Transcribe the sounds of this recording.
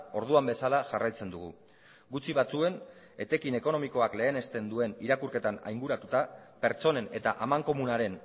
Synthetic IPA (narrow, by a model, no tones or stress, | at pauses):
o̞ɾðuambe̞salaʝarajt͡se̞nd̪uɣ̞ṵ | ɡut͡siβat͡sue̞n | e̞t̪e̞kine̞ko̞no̞miko̞akle̞ːne̞st̪e̞nd̪ue̞niɾakuɾke̞t̪ana̰jŋɡuɾat̪ut̪ape̞ɾt͡so̞ne̞ne̞t̪aʔamaŋko̞munaɾe̞n